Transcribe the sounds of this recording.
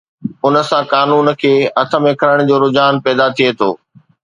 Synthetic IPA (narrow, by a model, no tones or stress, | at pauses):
ʊnə̆sãkaːnuːnkʰeːɐt̪ʰəmɪkʰəɾəɽ̃̆d͡ʑoːɾʊd͡ʑaːnpɛːd̪at̪ʰiet̪ʰoː